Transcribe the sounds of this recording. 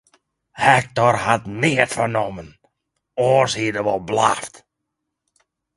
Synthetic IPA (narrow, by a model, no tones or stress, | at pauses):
hɛk̚tɔrhatnɪətfərnɔmən | oːrsiədəʋɔlˠbla̰ft